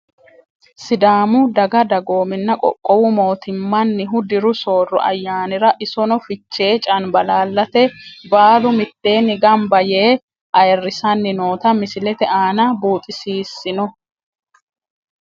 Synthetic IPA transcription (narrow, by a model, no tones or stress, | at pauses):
sɪd̪aːmʊd̪ɐɡɐd̪ɐɡo̞ːmɪnːɐkʼɔ̰kʼːɔwʊmo̞ːt̪ɪmːɐnːɪɦʊd̪ɪɾʊso̞ːrːɔ̰ʔɐ̰jːaːnɪɾɐʔɪsɔnɔfɪt͡ʃːe̞ːt͡ʃʼɐnbɐlaːlːɐt̪ɛbaːlʊmɪt̪ːe̞ːnːɪɡɐmbɐjeː | ʔɐjɛrːɪsɐnːɪno̞ːt̪ɐmɪsɪlɛt̪ɛʔaːnɐbuːt̪ʼɪsiːsːɪnɔ